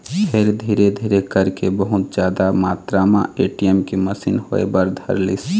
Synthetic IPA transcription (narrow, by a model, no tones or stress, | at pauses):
pʰeɾd̪ʱiːɾed̪ʱiːɾekəɾkebəɦʊt̪d͡ʒjaːd̪amaːt̪ɾamãeːʈijɛmkeməsinho̰ːḛbəɾd̪ʱɐ̰ɾlis